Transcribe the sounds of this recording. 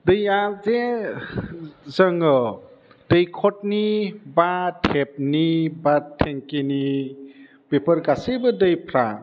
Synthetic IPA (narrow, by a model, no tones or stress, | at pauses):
dɯjaze | zəŋɯ | dəjkʰɔt̚nibatʰep̚nibatʰeŋkini | bepəɾɡasebɯdəjpʰɾa